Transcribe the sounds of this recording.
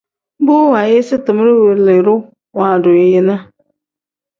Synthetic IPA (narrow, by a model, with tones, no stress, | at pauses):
bʊ˦wa˨jɪ˦sɪ˦tʊ˨m˦ɾɪ˦we˨ɾlɪ˨ɾʊ˦ | wã˨dʊ˨ɪ˨jɪ˦nã˦